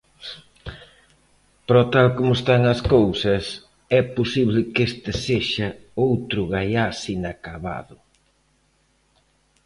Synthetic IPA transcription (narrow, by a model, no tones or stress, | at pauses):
pɾɔt̪alkomʊest̪aŋɐskowsɐs | ɛposiβlɪkest̪ɪseʃɐ | owt̪ɾʊɣajasinakaβa̰ðʊ